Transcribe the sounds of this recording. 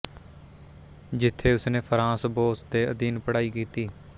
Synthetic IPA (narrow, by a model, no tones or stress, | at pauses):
d͡ʒɪt̪ʰːeːʊsneːpʰəɾãːsboːsd̪eːəd̪iːnpəɽaːiːkiːt̪iː